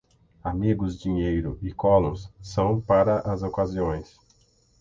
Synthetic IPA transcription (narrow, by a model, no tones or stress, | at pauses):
amiɡʊzd͡ʒiɲejɾʊɪkɔlõsːɐ̃w̃paɾɐʔɐzokaziõj̃s